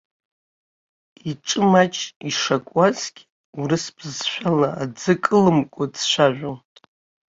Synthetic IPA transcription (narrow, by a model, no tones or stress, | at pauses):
iʈ͡ʂʼɨmat͡ʃʰʼiʂakʷʼazɡʲ | urɨspʰɨzʃᶣalaad͡zɨkʼɨlɨmkʷʼad͡zʃʷaʒᶣʷo